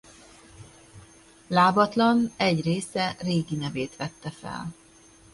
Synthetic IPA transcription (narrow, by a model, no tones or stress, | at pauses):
laːbɒt̪lɒnɛɟreːsɛreːɡinɛveːt̪ʋɛt̪ːɛfɛ̰l